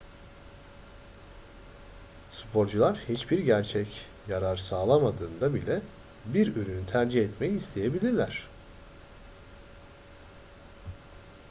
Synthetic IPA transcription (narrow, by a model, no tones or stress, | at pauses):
spʰo̞ɾd͡ʒulˠaɾhit͡ʃbiɾɟæɾt͡ʃʰɛc | jaɾaɾsaːlˠamad̪ɯːnd̪abilʲɛ | biɾøɾynyt̪ʰæɾd͡ʒihɛt̪mejiːst̪ʰe̞jebilʲiɾlʲæɾ̝̥